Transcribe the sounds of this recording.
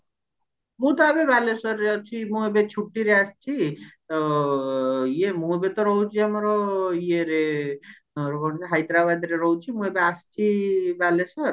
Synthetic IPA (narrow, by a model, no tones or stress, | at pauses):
mũt̪ɔabebalesɔɾeɔt͡ʃʰimũebet͡ʃʰuʈːiɾeast͡ʃʰit̪ɔ | jemũebet̪ɔɾɔɦwt͡ʃʰiamɔɾɔjeɾe | bɔnsaɦajt̪ɾabad̪ɾeɾɔwt͡ʃʰimũebeast͡ʃʰibalesɔɾ